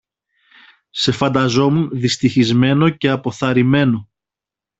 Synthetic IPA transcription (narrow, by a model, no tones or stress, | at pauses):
se̞fɐnd̪ɐzo̞munðist̪içizme̞no̞ce̞ɐpo̞θɐɾime̞no̞